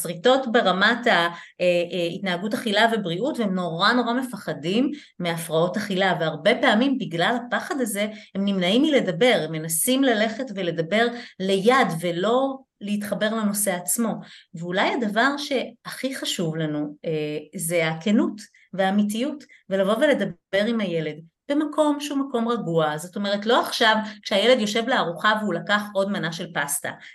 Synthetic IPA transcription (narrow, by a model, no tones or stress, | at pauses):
sʁito̞tbe̞ʁamata | eitnaaɡutaχilave̞bʁiutveemno̞ʁano̞ʁame̞faχadimː | eafʁao̞taχilaveaʁbe̞peamimbiɡlalhapaχadaze̞hemnimnaimile̞dabe̞ʁemːe̞nasimlale̞χe̞tvele̞dabe̞ʁle̞jadvelo̞ | leit̪χabe̞ʁmino̞se̞at͡smo̞veulajad̪avaʁʃe̞aχiχaʃuvlanueze̞akenut | veaːmitijut | velavo̞vele̞d̪abe̞ʁimhaje̞le̞d | b̥e̞makʰo̞mʃeumako̞mʁaɡuazo̞t̪o̞me̞ʁ̞etlo̞aχʃavkʃeaje̞le̞djo̞ʃe̞vleaʁuχaveulakaχo̞dmanaʃe̞lpasta̰